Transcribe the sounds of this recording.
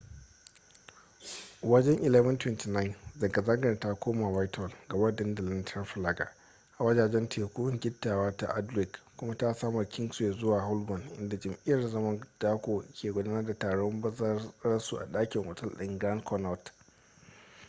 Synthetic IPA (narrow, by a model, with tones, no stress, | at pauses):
wɐ˦d͡ʒɛ˦ŋʔɪ˨lɛ˦vɐ˦ntwɪ˦ntiː˨na˦ɪ˨nzɐ˨ɡɐ˨zɐ˦ŋɡɐ˨nta˦kʷoː˦maː˨waː˦jtʰɔ˨lɡa˨wɐ˦dɛ˦nda˨lɐ˦ntʰɐ˦nɸlaː˦ɡa̰˨ | ʔa˨wɐ˦daː˨d͡ʒɛ˦ntʰeː˨kʷu˦ŋɡʲɪ˦tːaː˨waː˦ta˦ʔa˦dɾɪ˨kkʷʊ˦ma˦ta˦saː˦mɐ˨rkʲʰɪ˦ŋsje˨zʊ˦waː˨ɦa˦lbɔ˨nʔɪ̰˦nda˨d͡ʒɐ˨mʔɪ˦jɐ˨rzɐ˦mɐ˦nd̥aː˦kʷoː˨kʲʰeː˨ɡʷʊ˦daː˦nɐ˦rda˨taː˨ɽɔ˦mbɐ˦zɐ˦ɐ˦ɾɐ˦su˨ʔa̰˨ɗaː˦kʲɪ˨ŋʔʷɐ˨tɐ˦lɗɪ˨ŋɡɾa˦nkʰɔ˦na˨t